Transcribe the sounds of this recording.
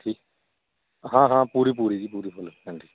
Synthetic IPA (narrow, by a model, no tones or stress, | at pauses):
ʈʰiː | ɦãːɦãːpuːɾiːpuːɾiːd͡ʒiːpuːɾiːpʰʊləɦɛ̃ːɳɖiː